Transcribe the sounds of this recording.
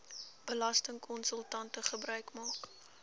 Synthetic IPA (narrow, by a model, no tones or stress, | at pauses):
b̥əlɐstəŋkʰɔnsəlˠtɐntəχəbɾœɥkmɑːk